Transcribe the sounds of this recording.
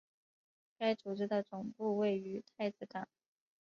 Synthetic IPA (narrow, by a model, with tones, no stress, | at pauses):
ka˥ɪt͡su˨˩ʈ͡ʂɻ̩˥˩d̪ə˨˩t͡sʊ˨˩ŋpu˥˧we˥˩ɪy˧˥t̪ʰa˥˧ɪt͡sɹ̩˥˩ka˨˩˦n